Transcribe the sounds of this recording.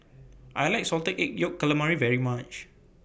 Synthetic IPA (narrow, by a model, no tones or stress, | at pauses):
ʔajlajk̚sɔltəʔek̚jokːələmaɹivɛɹimat͡ʃ